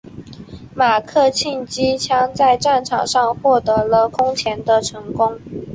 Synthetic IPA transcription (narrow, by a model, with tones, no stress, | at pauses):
ma˨˩kʰɤ˥˧t͡ɕʰi˥˩nt͡ɕi˥t͡ɕʰjɑ˥ŋt͡sa˥˧ɪʈ͡ʂa˥˩nʈ͡ʂʰɑ˨˩ŋʂɑ˥˧ŋxwɔ˥˩t̪ɤ˧˥lə˧kʰʊ˥ŋt͡ɕʰjɛ˧˥nd̪ə˧ʈ͡ʂʰɤ˧˥ŋkʊ˥ŋ